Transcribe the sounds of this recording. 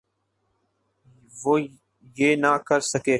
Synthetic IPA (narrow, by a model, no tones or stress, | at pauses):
ʋoː | jeːnaːkəɾsəkeː